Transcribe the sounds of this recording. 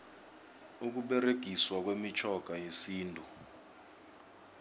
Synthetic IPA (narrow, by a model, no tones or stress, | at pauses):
uk̬uɓɛreɡ̥ʱiswak̬wemit͡ʃʰɔɡ̥ʱajesiːntʼu